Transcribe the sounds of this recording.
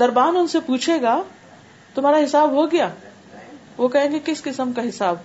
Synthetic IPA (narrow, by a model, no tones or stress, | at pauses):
d̪ɐɾbaːnʊnsepuːt͡ʃʰeːɡa | t̪ʊm̤aːɾaɦɪsaːbɦoɡɐjaː | ʋokɐɦẽːɡekɪskɪsəmkaɦɪsaːb